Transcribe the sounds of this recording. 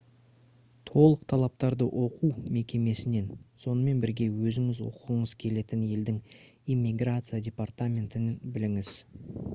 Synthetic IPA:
t̪ʰo̞lˠəqt̪ʰɑlˠɑp̚t̪ɑɾd̪əʔo̞qʰuwme̞kʲe̞me̞sɪne̞nso̞nəme̞nbɪɾɡʲe̞wɵzɪŋɪzwo̰qʁəɴəz̥kʲʰe̞le̞t̪ɪnje̞ld̪ɪŋimːiɡrat̪sɨjadʲe̞part̪amʲe̞nt̪ɪnɪnbɪlɪŋɪz̥

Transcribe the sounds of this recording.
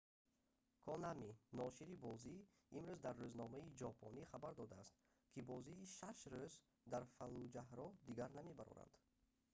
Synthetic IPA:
kʰɔnaminɔʃiɾibɔzi | imɾuzd̪aɾːøznɔmaid͡ʒɔpʰɔniχabaɾd̪ɔd̪aːst̪ | kʰibɔziːʃaʃɾøz | d̪aɾfalud͡ʒahɾɔd̪iɡaɾname̞baɾɔ̰ɾa̰nd̪

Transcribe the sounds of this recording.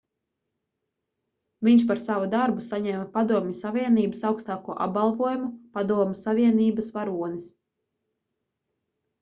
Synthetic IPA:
viɲʃ̬paɾsavud̪aɾbusaɲɛmapad̪uɔmɲusavʲiɛniːbəsawkst̪aːkuɔʔa̰p̚ɡalˠvuɔjumupad̪uɔmusavʲiɛniːbasvaɾuɔnis

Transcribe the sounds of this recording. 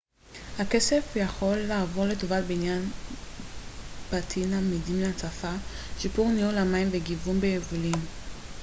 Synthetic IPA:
hake̞se̞fjaχo̞lːaːvo̞ʁletovalbeinjan | b̥atʰinamidimleat͡safa | ʃipuʁniulamaimveɡivumbejevulim

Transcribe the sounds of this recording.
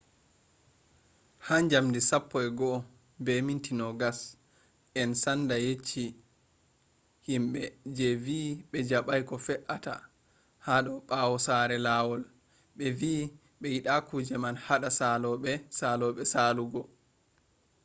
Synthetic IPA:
hand͡ʒamdisapːɔɛɡɔ | bɛmintinɔɡas | ʔɛnsandajet͡ʃːi | himɓɛd͡ʒɛviɓɛd͡ʒaɓajkɔfɛʔata̰ | haɗɔɓawɔsaɾɛlaːwɔl | ɓɛviː | ɓɛjiɗakud͡ʒɛmanhaɗasalɔɓɛsalɔɓɛsaluɡɔ

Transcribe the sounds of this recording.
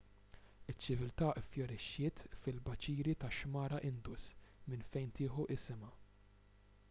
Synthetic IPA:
ɪt͡ʃːɪvɪlt̪ɐːʔɪfjɔɾɪʃːɪːt̪fɪlbɐt͡ʃiːɾit̪ɐʃmɐːɾɐʔɪnd̪ʊsmɪnfɛjnt̪ɪːħuʔɪsɪmɐ

